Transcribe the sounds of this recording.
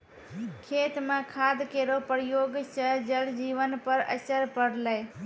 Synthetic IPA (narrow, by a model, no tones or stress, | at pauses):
kʰeːt̪mẽkʰaːd̪keːɾopəɾjoːɡsəd͡ʒəld͡ʒiːʋənpəɾə̰t͡ʃəɾpəɽləː